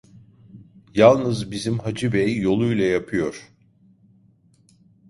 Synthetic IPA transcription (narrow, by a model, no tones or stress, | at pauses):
jalˠnɯzbizimhad͡ʒibɛjːo̞lˠujlˠajapʰɯjo̞ɾ̥